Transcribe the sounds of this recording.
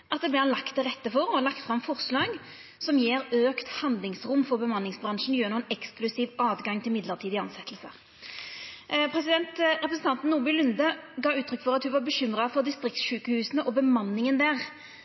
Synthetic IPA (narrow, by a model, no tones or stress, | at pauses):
ʔɑt̪d̪ɛblɛhɑnlɑkt̪ːɛʁɛt̪ːəfɔʁɔɑlɑkt̪fɾɑmfɔʁslɑːɡ | sɔmjeːɾøːkt̪hɑnd̪lɪŋsʁʊmːfɔʁbəmɑnːɪŋsbʁɑnʂn̩jøːnuːənɛksklʉsiːʋɑːd̪ɡɑŋt̪ʰɪlmɪd̪ləʁt̪iːd̪ɪɑnsɛt̪ʰːəlsə̰ | pʰɾɛsɪd̪ɛnt̪ɾɛpɾəsn̩t̪ɑnt̪n̩ːuːbɪlʉnd̪əɡɑːʉːt̪ʰɾʏkːfɔʁɑt̪hʉʋɑʁbəɕʏmʁɑfɔʁd̪ɪst̪ʁɪk̚t̪sʃʉːkəhʉːsnəʔɔbəmɑnːɪŋənd̪æːʁ